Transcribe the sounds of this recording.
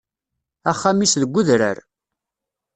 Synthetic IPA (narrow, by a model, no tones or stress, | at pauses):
æχːamisðəɡʷːʊðɾə̰ɾ